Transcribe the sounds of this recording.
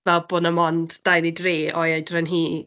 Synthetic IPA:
vɛlˠbʊnəmɔndd̥ajlˠidreːɔjejdrənɦiː

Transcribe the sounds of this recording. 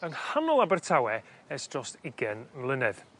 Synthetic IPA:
əŋhanɔlˠabərtʰawɛ | ɛsd̥rɔstɪɡɛnvlˠɪnɛð̥

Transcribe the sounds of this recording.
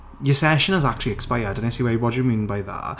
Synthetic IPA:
jəsɛʃə̃nəzak̚t͡ʃəl̩ˠiɛkspaɪədə̃nesiːwɛwɔt͡ʃəmĩːnbaɪðə̰ʔ

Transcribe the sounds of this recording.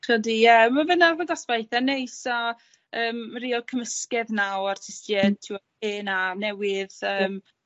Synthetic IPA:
χɔdijɛmavənavɔɡasb̥ajθɛnejsa | əːmriːɔlˠkʰəməskɛðnawartʰɪstjɛtʰɪw | ɪnanɛwɪðəːm

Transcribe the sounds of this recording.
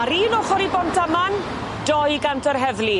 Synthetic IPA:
aɾiːnɔχɔɾibɔntʰaman | d̥ɔjɡantʰɔrɦɛvli

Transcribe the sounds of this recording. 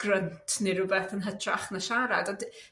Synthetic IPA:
ɡ̥rəntʰniɾʊbɛθənɦətʰraχnaʃaɾa̰dɔd

